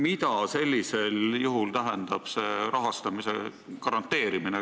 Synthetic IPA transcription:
mit̪ɑse̞lʲːise̞ljuɦult̪æɦend̪̥ɑb̥se̞ɾɑɦɑst̪ɑmise | kɑɾɑnt̪ːˑe̞ːɾimine

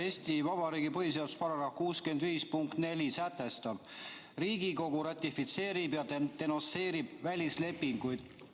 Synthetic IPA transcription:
eːsʲt̪ivɑb̥ɑɾiːɡ̥ipɤɦis̬eawd̪u̥spɑɾɑɾɑhkuːske̞nd̪viːspuŋkt̪ne̞lʲisæt̪ːˑe̞st̪ɑb̥ | riːɡiko̞ɡ̥uɾɑt̪ʲːifit̪se̞ːɾibjɑt̪e̞no̞nse̞ːɾib̥vælʲisle̞pːiŋɡ̥ujd̪̥

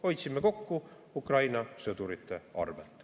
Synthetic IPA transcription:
o̞jt̪simːeko̞kːu | ukrɑjnɑsɤd̪̥uɾit̪ːˑe̞ɑ̰rvelt̪ˑ

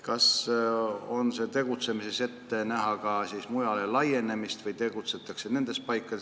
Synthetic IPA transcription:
kɑs | o̞nse̞t̪e̞ɡ̥ut̪se̞mise̞se̞t̪ːe̞næɦɑkɑsiːsmujɑle̞lɑje̞ne̞mist̪vɤjt̪e̞ɡ̥ut̪se̞t̪ːˑɑkse̞ne̞nd̪̥e̞s̚pɑjkːˑɑ

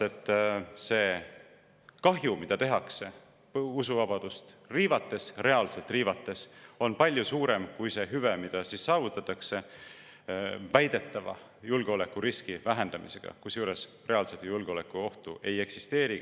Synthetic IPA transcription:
et̪ːˑse̞ː | kɑɦjumid̪̥ɑt̪e̞ɦɑkse | usuvɑbɑd̪̥ust̪riːvɑt̪ːˑe̞sre̞ɑlse̞lt̪ˑriːvɑt̪ːˑe̞so̞npɑlʲjusuːɾe̞mkujse̞ɦyvemid̪̥ɑsisːɑːvut̪ːˑɑt̪ːˑɑkse̞ | væjd̪̥e̞t̪ːˑɑvɑ̰ | julɡ̥eo̞le̞kːˑuɾiskivæɦe̞nd̪̥ɑmḭse̞ɡ̥ɑ̰kusjuːɾe̞s | re̞ɑlset̪julɡ̥eo̞le̞kːˑuo̞ht̪uʔe̞je̞ksist̪e̞ːɾi

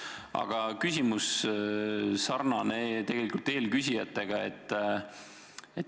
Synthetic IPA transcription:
ʔɑ̰ɡ̥ɑkysʲimus | sɑrnɑnet̪e̞ɡelikult̪ːe̞ːlkysʲijɑt̪ːˑe̞ɡ̥ɑe̞̰t̪ˑː | et̪

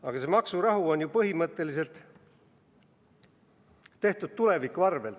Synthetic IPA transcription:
ɑɡ̥ɑsemɑksurɑɦuo̞nʲjupɤɦimɤt̪ːˑe̞lis̬e̞lt̪ˑ | e̞ht̪ud̪̥̚t̪ule̞vikːˑuɑrve̞l

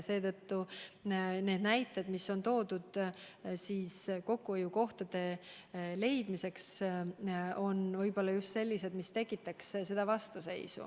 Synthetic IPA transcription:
se̞ːt̪ɤt̪ːu | ne̞ːd̪næjt̪ːˑed̪misːo̞nt̪o̞ːd̪̥ud̪̥siːsko̞kːuejuko̞ht̪ɑd̪̥e̞ | le̞jd̪̥mise̞ks | o̞nvɤjb̥o̞lːɑjust̪se̞lʲːise̞d̪mist̪e̞kːˑit̪ːˑɑksse̞d̪ɑvɑst̪use̞̰jsṵ

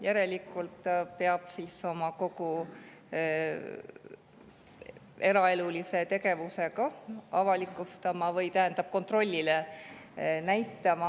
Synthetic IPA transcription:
jæɾe̞likːˑult̪ˑpeɑb̥siːso̞mɑko̞ku | e̞ɾɑe̞lulise̞t̪e̞ɡe̞vuse̞ɡɑɑvɑlikːˑust̪ɑmɑvɤjt̪æɦend̪̥ɑb̥̚ko̞nt̪ro̞lʲːile | næjt̪ːˑɑmɑ

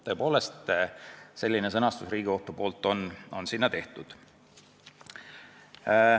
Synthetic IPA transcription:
t̪ɤ̞ːpo̞ːle̞st̪ | se̞lʲːines̬ɤnɑst̪usriːɡ̥io̞ht̪ːupo̞ːlt̪ːˑo̞no̞nsinːɑt̪e̞ht̪ud̪̥

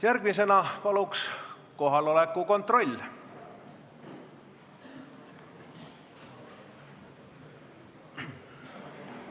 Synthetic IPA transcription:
jærɡ̥misenɑpɑluks | koɦɑlolekːuko̞nt̪ro̞lʲː

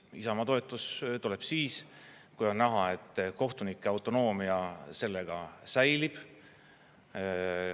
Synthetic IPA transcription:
isɑmɑt̪o̞e̞t̪ːˑust̪ule̞b̥siːs | kujo̞nnæɦɑe̞t̪ˑːko̞ht̪unikːˑeɑwt̪ːˑo̞no̞ːmiɑse̞lːeɡ̥ɑsæjlib̥

